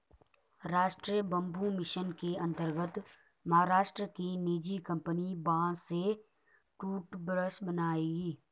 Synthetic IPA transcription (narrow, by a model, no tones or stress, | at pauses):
ɾaːʃʈɾijəbə̃mbʱumɪʃənkeə̃nt̪əɾɡət̪ | mɐɦaɾaːʃʈɾəkiniːd͡ʒikə̃mpənibãːse | ʈuːʈbɾəsbənaːeːɡiː